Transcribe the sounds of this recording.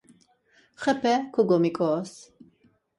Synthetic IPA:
χɛpʰɛkʰuɡɔmikʼɔs

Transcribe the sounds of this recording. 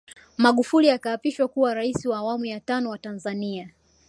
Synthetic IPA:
maɠufuliakaːpiʃwakuwaɾaisiwaːwamujatanɔwatanzania

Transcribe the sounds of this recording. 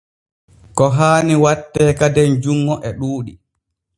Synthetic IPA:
kɔɦaːniwatːɛːkadɛnd͡ʒuŋːɔʔɛɗuːɗi

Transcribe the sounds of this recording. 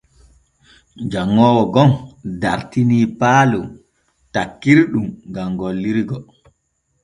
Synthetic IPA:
d͡ʒaŋːɔːwɔɡɔndaɾtiniːpaːlu | takːiɾɗumŋɡamɡolːiɾɡɔ

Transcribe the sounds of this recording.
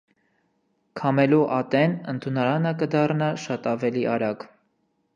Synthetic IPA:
kʰɑmɛluʔɑt̪ɛnənt̪ʰunɑɾɑnəkəd̪ɑrnɑʃɑt̪ɑvɛliʔɑɾɑɡ

